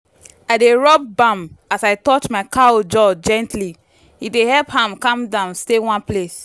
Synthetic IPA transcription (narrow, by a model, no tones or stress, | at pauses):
aɪdeɹɔb̚bãmasaɪtɔt͡ʃmaɪkaod͡ʒɔd͡ʒɛ̃ntli | idehɛlphãmkãmdãʊ̃nstewãnples